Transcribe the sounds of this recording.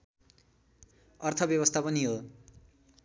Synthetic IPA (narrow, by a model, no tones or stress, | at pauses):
ʌrt̪ʰʌbjʌβʌst̪ʰapʌniɦo